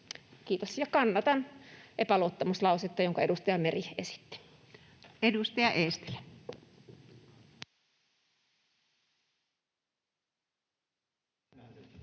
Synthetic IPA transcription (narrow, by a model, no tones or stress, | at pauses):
kiːt̪osjɑkɑnːɑt̪ɑnʔepæloːt̪ːɑmuslɑuset̪ːɑjoŋkɑedust̪ɑjɑmeriesi̥t̪ːi̥ | edust̪ɑjɑʔeːst̪i̥læ